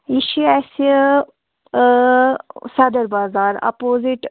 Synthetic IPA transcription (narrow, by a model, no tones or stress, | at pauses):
iʃiɛsi | sɐd̪əɾbaːzaːɾa̰poːziʈ